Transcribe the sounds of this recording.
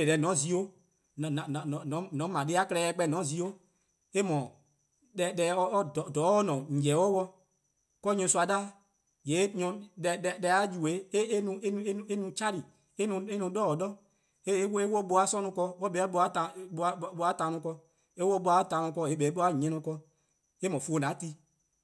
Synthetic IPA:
e˨lɛ˨nɔ̃˨˦zi˦o˦ | n˨ñ˨ñ˨nɔ̃˨˦nɔ̃˨˦mã˨de˨˦a˦klɛ˧˦˧k͡pɛ˧˦˨nɔ̃˨˦zi˧˦o˦ | e˦mɔ̃˨ | ɗɛ˧ɗɛ˧ɔ˦ddɔ˨˦ɔ˦nɔ̃˨ŋ̩˨d͡ʒɛ˨˦wɔ˦wɔ˧ | kɔ˦ɲɔ̃˧su˧˦a˧da˦ | je˨˦ɲɔ̃˧ɛ˧ɗɛ˧ɗɛ˧a˨˦ju˨we˨˦e˦nũ˧ẽ˦ẽ˦e˦nũ˧t͡ʃa˦ɾi˨ | e˦nũ˧e˦nũ˧dɔ˦ɔ˨dɔ˦ | e˦we˦wɔ˦ɓo˧˦a˨˦sɔ̃˦nũ˧kɔ˧wɔ˦ɓɛ˨˦ɔ˦ɓo˧a˦ta˨˦˧a˨˦ɓo˧˦a˦tã˧nũ˧kɔ˧ | e˦wɔ˦ɓo˧a˨˦tã˧nũ˧kɔ˧e˨˦bɛ˨˦ɓo˦a˦˨ɲɛ̃˦nɔ̃˧kɔ˧ | e˦mɔ̃˨fu˦o˧nã˨˦ti˧

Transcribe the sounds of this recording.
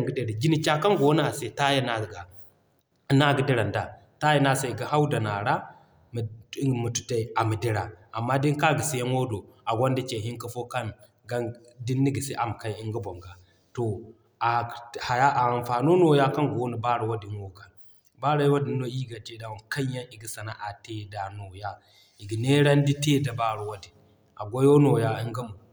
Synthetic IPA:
ɡi˦de˦ɾi˨ɡi˦ni˦t͡ʃa˦ka˦ŋɡo˦n˦a˨se˨ta˦ja˦na˦˨ɡa˨˦ | na˦ɡi˨˦de˦ɾa˨nda˨ | ta˦je˦na˦˨sa˨ɡa˨ɦa˦wda˨na˨ɾa˦˨˦ | mu˨tu̥˨ta˦i˨a˨mi˨de˦ɾa˨a˨mːa˦di˦ŋ˦ka˦ɡi˨si˦ja˦nwo˦do˨a˨ɡʷo˦ndi˦t͡ʃe˨ɦi˦ŋka˦fo˦ka˦n | ɡa˦ | di˦nːi˦ɡi˨se˦ʔa˨m˨ka˦i˦i˦ŋɡi˦bo˨ŋɡa˨ | to˨ | a˨ha˨ja˦ʔa˨nfa˨no˦no˨ja˦ka˦ŋɡo˦ni˨ba˦ɾa˨wa˦di˨nwo˦ɡa˨ | ba˦ɾa˦jwa˦di˨nːo˦i˦ɡa˨t͡ʃe˦da˨wa˨ka˦ɲ˦ja˦ni˨ɡi˦sa˨na̰˦ʔa˨te˦˨da˨no˨ja˦ | i˨ɡi˨ne˦ɾa˦n˦di˦te˦da˨ba˦˨ɾu˨wa˦di˨ | a˨ɡʷo˦jo˦no˨ja˦i˦ŋɡa˦mu˨

